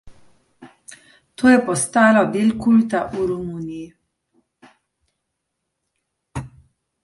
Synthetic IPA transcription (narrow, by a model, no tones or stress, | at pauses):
t̪oːjɛpɔst̪aːlɔb̪elkult̪aʔuɾumuːnii